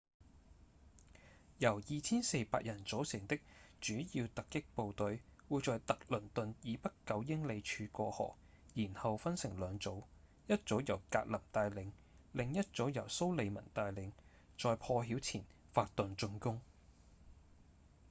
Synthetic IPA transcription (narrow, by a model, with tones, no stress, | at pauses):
jɐ˨˩wjiː˨t͡sʰiː˥nse˧jpa̰ː˧t̚jɐ˨˩nt͡so˨˥wsɪ˨˩ŋt̪ɪ˥k̚t͡ʃyː˨˥jiː˧wt̪ɐ˨kːɪ˥k̚po˨˧wt̪ɵ˨˧ɥwuː˨˧jt͡sɔː˨˧jt̪ɐ˨k̚lɵ˨˩nt̪ɵ˨njiː˨˧pɐ˥t̚kɐ˨˧wjɪ˥ŋle˨˧jt͡ʃʰyː˧kɔː˧hɔ̰ː˨˩k̚ | jiː˨˩nhɐ˨wfɐ˥nsɪ˨˩ŋlœː˨˧ŋt͡so˨˥w | jɐ˥t̚t͡so˨˥wjɐ˨˩wkaː˧t̚lɐ˨˩mt̪aː˧jlɪ˨˧ŋ | lɪ˨ŋjɐ˥t̚t͡so˨˥wjɐ˨˩wso˥wle˨˧jmɐ̰˨˩nt̪aː˧jlɪ˨˥ŋ | t͡sɔː˨˧jpʰɔː˧ɦiː˨˥wt͡sʰiː˨˩n | faː˧k̚t̪ɵ˨˧nt͡ʃɵ˧nkʊ˥ŋ